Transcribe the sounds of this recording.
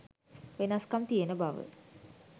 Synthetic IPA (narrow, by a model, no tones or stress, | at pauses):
ʋenaskamt̪ijenəbaʋə̰